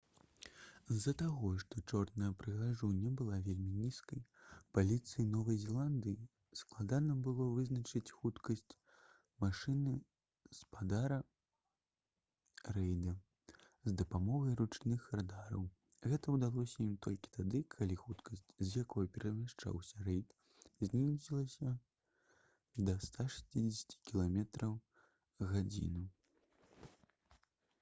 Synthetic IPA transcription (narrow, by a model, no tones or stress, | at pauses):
zːɐt̪aɣɔʂt̪ɔt͡ʂɔrnɐjɐpɾɨɣaʐunʲːɐbɨlˠavʲelʲmʲinʲiskɐjpalʲit̪sɨjinɔvɐjzʲɛlˠand̪ɨji | sklˠad̪anɐbɨlˠɔvɨznɐt͡ʂɨt͡sʲxut̪kɐsʲt͡sʲ | maʂɨnɨ | spad̪aɾɐ | ɾɛjd̪ɐ | zd̪ɐpamɔɣɐjɾut͡ʂnɨxrad̪aɾɐ̰w | ɣɛt̪ɐwd̪alˠɔsʲɐimt̪ɔlʲkʲi̥t̪ad̪ɨkʰalʲixut̪kʰɐsʲt͡sʲzjakɔjɐpʲɛɾɐmʲaʂt͡ʂa̰wsʲɐrɛjt̪ | zʲnʲizʲilˠɐsʲɐ | d̪ɐst̪aʂḁsʲt͡sʲid͡zʲɪsʲɐ̥t͡sʲi̥kʲilˠamʲɛt̪ɾɐw | ɣad͡zʲḭnɨ